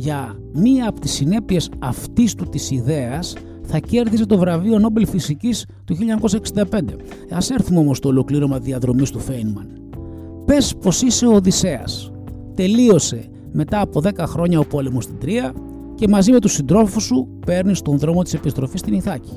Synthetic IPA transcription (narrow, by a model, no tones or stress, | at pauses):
ʝɐ | miɐːpot̪isine̞pie̞sɐft̪ist̪ut̪isiðe̞ɐs | θɐce̞ɾðise̞t̪o̞vɾɐviono̞belfisicis | t̪uçiʎɲɐko̞sɐeksind̪ɐpe̞nd̪e̞ | ɐse̞ɾθumeo̞mo̞st̪oːlo̞kliɾo̞mɐðiɐðɾo̞mist̪ufejnmɐn | pe̞spo̞sise̞ooðise̞ɐ̰s | t̪e̞lio̞se̞ | me̞t̪ɐːpo̞ðe̞kɐxɾo̞ɲɐopolemust̪id̪ɾiɐ | ce̞mɐzime̞t̪usind̪ɾo̞fusupe̞ɾnist̪o̞nðɾo̞mo̞t̪i̥se̞pist̪ɾo̞fist̪iniθɐci̥